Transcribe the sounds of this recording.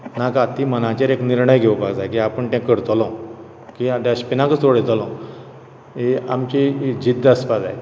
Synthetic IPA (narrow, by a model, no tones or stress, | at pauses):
nakat̪imənãt͡ɕaɾekniɾɳəjɡʱeʋəpaɡd͡zajkiapəɳt̪ɛ̃kəɾt̪lɔ̃ | kiat̪aəɕpinãkət͡soɽet̪əlɔ̃ | eamt͡ɕid͡ʑid̪əspad̪a̰j